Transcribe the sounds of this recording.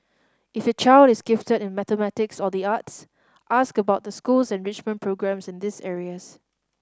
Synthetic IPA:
ɪfət͡ʃaɪldɪsɡɪftədɪ̃nmɛtəmɛtɪksɔdiats | ʔaskəbaʊt̚dəskulsɛ̃nɹɪt͡ʃmə̃npʰɹoɡɹɛ̃msɪ̃ndɪsɛɹiəs

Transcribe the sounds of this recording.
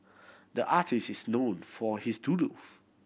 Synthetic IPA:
dəʔatʰistisnõnfɔhisduluf

